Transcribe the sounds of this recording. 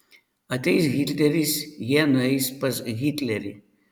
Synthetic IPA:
ɐt̪ʲɛjsɣʲit̪ʲlʲɛɾʲisjɛnɐjspɐsɣʲit̪ʲlʲɛɾʲḭ

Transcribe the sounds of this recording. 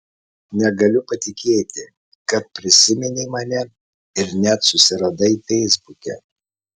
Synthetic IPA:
nʲɛɡɐlʲʊpɐt̪ʲɪkʲeːt̪ʲɪ | kɐt̪̚pʲɾʲɪsʲɪmʲɛnʲeɪmɐnʲɛ | ɪɾnʲɛt̪sʊsʲɪɾɐd̪ɐɪfʲɛɪzbʊkʲɛ̰

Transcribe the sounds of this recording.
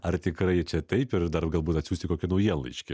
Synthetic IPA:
ɐɾt̪ʲɪkɾɐɪt͡ʃʲɛt̪ɐɪpɪɾd̪ɐrɡɐlˠbuːt̪ɐt̪sʲuːsʲt̪ʲɪkoːkʲɪnɐʊjiɛnlˠɐ̰ɪʃʲkʲɪ̰

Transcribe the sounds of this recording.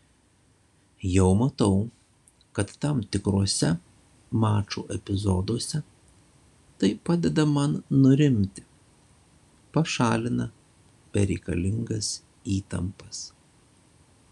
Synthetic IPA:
jɛʊmɐt̪ɒʊ | kɐt̪ːɐmt̪ʲɪkɾoːsʲɛ | mɑːt͡ʃo̰ːʔɛpʲɪzɔd̪oːsʲɛ | t̪ɐɪpɑːd̪ʲɛd̪ɐmɐnnʊɾʲɪmʲt̪ʲɪ̥ | pɐʃɑːlʲɪnɐ | pʲɛɾʲɛɪkɐ̰lʲɪŋɡɐs | iːt̪ɐ̰mpɐs

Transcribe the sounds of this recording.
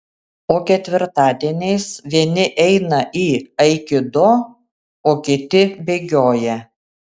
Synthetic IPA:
oːkʲɛt̪ʲʋʲɪɾt̪ɑːd̪ʲiɛnʲɛɪsʋʲiɛnʲɪʔɛɪnɐʔiːɐɪkʲɪd̪ʊ | oːkʲɪt̪ʲɪbʲeːɡʲoːjɛ

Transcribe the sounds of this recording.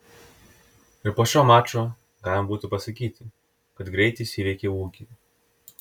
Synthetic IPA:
ɪɾpoːʃʲoːmɑːt͡ʃʲoː | ɡɑːlʲɪmɐbuːt̪ʲɪpɐsɐkʲiːt̪ʲɪ | kɐt̪ɡɾʲɛɪt̪ʲɪsʲiːɾʲɛɪkʲeuːkʲɪ

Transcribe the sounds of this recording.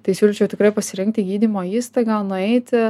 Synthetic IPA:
t̪ɐɪsʲuːlʲɪt͡ʃʲɛʊt̪ʲɪkɾɐɪpɐsʲɪɾʲɪŋk̚t̪ʲɪɡʲiːd̪ʲimoːiːst̪ɐɪɡɐlˠnʊɛɪt̪ʲɪ

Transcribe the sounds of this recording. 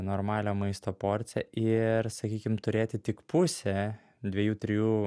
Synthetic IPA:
noːɾmɑːlʲomɐɪst̪oːpoːɾʲt̪sʲɛʔɪɾsɐkʲiːkʲɪmt̪ʊɾʲeːt̪ʲɪt̪ʲɪkpʊsʲɛ | d̪ʲʋʲɛjuːt̪ʲɾʲɪjuː

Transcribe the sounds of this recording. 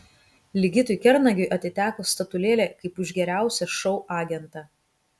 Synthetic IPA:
lʲɪɡʲɪt̪ʊɪkʲɛɾnɐɡʲʊjʔɐt̪ʲɪt̪ʲæːkoːst̪ɐt̪ʊlʲeːlʲeːkɐɪpʊʒʲɡʲɛɾʲæˑʊsʲɛʃɔʊʔɑːɡʲɛnt̪ɑ

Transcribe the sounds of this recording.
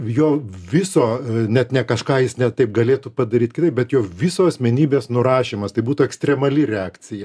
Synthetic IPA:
joːʋʲɪsoːnʲɛt̪nʲɛkɐʃkɑːjɪsnʲɛt̪ɐɪp̚ɡɐlʲeːt̪upɐd̪ɐɾʲiːt̪kʲɪt̪ɐɪp̚bʲɛt̪joːʋʲɪsoːɐsʲmʲɛnʲiːbʲeːsnʊɾɑːʃʲeːmɐst̪ɐɪbuːt̪ʊɛksʲt̪ʲɾʲɛmɐlʲɪɾʲɛɑːkt͡s̪ʲɪjɛ

